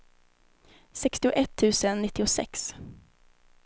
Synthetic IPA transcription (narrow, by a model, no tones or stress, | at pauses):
sɛkst̪ɪʊʔɛt̪ʰːʉ̟ːsənːɪt̪ːɪʊsɛ̰ks